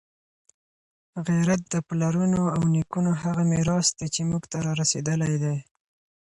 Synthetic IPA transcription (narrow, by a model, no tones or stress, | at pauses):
ɣiɾat̪̚d̪əplaɾunoawnikunoɦaɣamɪɾɑsd̪et͡ʃemuɡt̪aɾɑɾased̪əlajd̪ej